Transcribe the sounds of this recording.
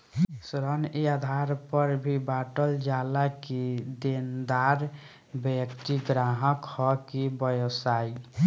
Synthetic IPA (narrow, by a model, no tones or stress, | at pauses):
sɾənead̪ʱaɾpəɾbʱibaʈəld͡ʒalakid̪end̪aɾ | bekt̪iɡɾaɦəkhɔkibəjosaj